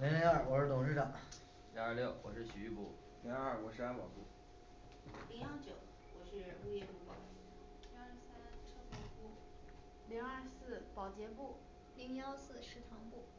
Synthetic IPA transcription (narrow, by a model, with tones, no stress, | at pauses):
li˧˥li˧˥a˥˩wɔ˨˩ʂɻ̩˥˩t̪ʰʊ˨˩ŋʂɻ̩˥˩ʈ͡ʂɑ˨˩˦ŋ | li˧˥ŋə˞˥˧ljo˥˩ʊwɔ̰˨˩ʂɻ̩˥˩ɕy˧˥y˥˩pṵ˥˩ | li˧˥ŋə˥˩kwɔ˧˥ʂ̩ɻ̩˥a˥npɑ˨˩ʊpu˥˩ | li˧˥ŋjɑ˥˩ŋt͡ɕjo˨˩˦ʊ | wɔ˨˩ʂɻ̩˥˧u˥˧jɛ˥˧pu˥˩pɑ˨˩ʊ˧˥˩ | i˧˥a˥˩sa˥n˥ʈ͡ʂʰɤ˥˩pu˨˩pu˥˩ | li˧˥ŋə˥˧sɹ̩˥˩pɑ˨˩ʊt͡ɕjɛ˧˥pu˥˩ | li˧˥ŋjɑ˥ʊsɹ̩˥˧ʂɻ̩˥˩t̪ʰɑ˧˥ŋpu˥˩